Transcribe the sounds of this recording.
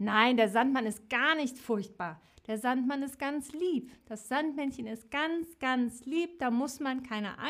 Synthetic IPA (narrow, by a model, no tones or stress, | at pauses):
naɪndeːɐzantmanɪst̚ɡ̥aːɐnɪçtfʊɐçt̚b̥aːɐ | d̥eːɐzantmanɪst̚ɡ̥ant͡sliːpd̥asz̥antmɛnçənɪst̚ɡ̥ant͡sɡ̥ant͡sliːp̚d̥aːmʊsmankʰaɪnə̰ʔa̰